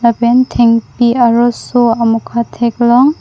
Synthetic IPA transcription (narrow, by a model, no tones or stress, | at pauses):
labentʰeŋpiaɾɔsuamukʰatʰeklɔŋ